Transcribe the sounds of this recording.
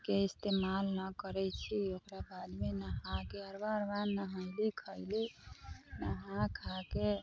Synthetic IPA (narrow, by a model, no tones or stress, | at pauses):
keist̪emalnəkəɾɛt͡ʃʰiokɾabʱad͡ʒmenəɦãkeəɾbaɾʋanːəɦəjlikʰəjli | nəɦãkʰake